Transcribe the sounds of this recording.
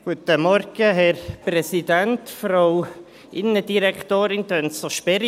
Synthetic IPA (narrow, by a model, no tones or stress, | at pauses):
ɡ̥ut̪əmɔɾɡ̥əɦɛɾprɛsidænt̪fɾow | ʔɪnədiɾɛkʰt̪oːɾɪnt̪œnsoʃpɛɾ